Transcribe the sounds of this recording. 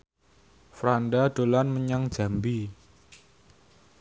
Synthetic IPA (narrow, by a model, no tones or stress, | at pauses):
fɾandad̥olanməɲaŋ̥ʒ̥ä̤mbi